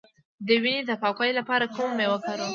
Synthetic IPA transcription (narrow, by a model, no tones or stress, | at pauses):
d̪əwinid̪əpɑkajlapɑɾakummewəkaɾu